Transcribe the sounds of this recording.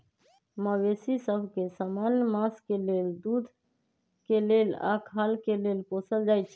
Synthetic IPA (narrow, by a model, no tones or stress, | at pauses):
məwesisəbʱkesamanjəmaskeleld̪ud̪ʱ | kelela̰kʰalkelelposəld͡ʒajt͡ʃʰ